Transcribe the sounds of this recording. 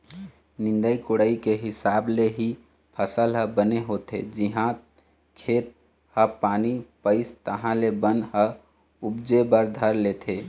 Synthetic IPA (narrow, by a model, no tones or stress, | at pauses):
nɪ̃nd̪əikoɽəikeɦɪsaːbleɦi | pʰəsəlɦəbəneɦoːt̪ḛd͡ʒiɦã | kʰeːt̪̚ | həpaːnipəɪst̪əɦãlebənɦə | ʊbd͡ʒebəɾd̪ʱəɾleːt̪ʰe